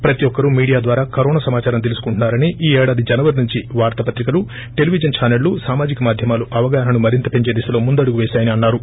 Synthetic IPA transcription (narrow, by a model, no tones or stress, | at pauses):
pɾɐt̪ijɔkːɐɾumiːɽijaːd̪ʋaːɾaːkɐɾɔːnaːsɐmaːt͡ʃaːɾɐmt̪elisu̥kuɳʈunːaːɾɐniʔiːɛːɽaːd̪id͡ʒɐnɐʋɐɾnuɲt͡ʃiʋaːɾt̪ɐpɐt̪ɾikɐlu | ʈe̞liʋid͡ʒɐnt͡ʃʰaːnɐɭːusaːmaːd͡ʒikɐmaːd̪ʱjɐmaːluʔɐʋɐɡaːɦɐnumɐɾint̪ɐpe̞ɲt͡ʃe̞ːd̪isɐloːmund̪ɐɽuɡuʋeːʃaːjɐniɐnːaːɾu